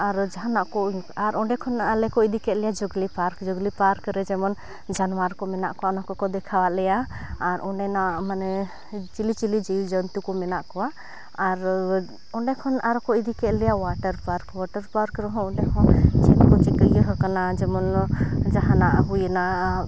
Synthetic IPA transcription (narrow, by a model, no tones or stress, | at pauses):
aɾd͡ʒaɦanaʔkɔaɾʔɔɳɖɛkʰɔnalɛkɔid̪ikɛʔ̪lɛjad͡ʒɔɡlipaɾkd͡ʒɔɡlipaɾkɾɛd͡ʒɛmɔn | d͡ʒanwaɾkɔmɛna̰ʔkɔwaɔnakɔkɔd̪ɛkʰawalɛjaːɾʔɔɳɖɛnamanɛ | t͡ʃilit͡ʃilid͡ʒɛjud͡ʒənt̪ukɔmɛnaʔkɔwaː | ɾ | ɔɳɖɛkʰɔnaɾɔkɔid̪ikɛʔ̪lɛjawaʈəɾpaɾkwaʈəɾpaɾkɾɛɦɔ̃ɔ̃ɖɛhɔ̃t͡ʃɛnkɔt͡ʃɛkəjəɦəkanad͡ʒɛmɔnd͡ʒaɦanaʔɦujəna